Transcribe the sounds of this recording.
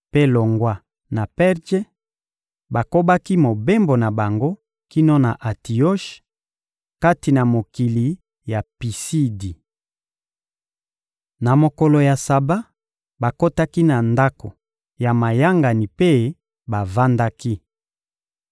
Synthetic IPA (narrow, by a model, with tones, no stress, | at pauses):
pe˦lo˨ŋɡwa˦ | na˨pɛ˦ʁʒe˦ | ba˨ko˦ba˦ki˦mo˨be˦mbo˨na˨ba˨ŋɡo˦ | ki˦no˦na˨ʔa˨ti˨o˦ʃ | ka˦ti˨na˨mo˨ki˨li˨ | ja˨pi˨si˦di˨ | na˨mo˨ko˨lo˨ja˨sa˨ba˦ | ba˨ko˦ta˦ki˦na˨nda˦ko˨ | ja˨ma˨ja˦ŋɡa˨ni˨pe˦ | ba˨va˦nda˦ki˦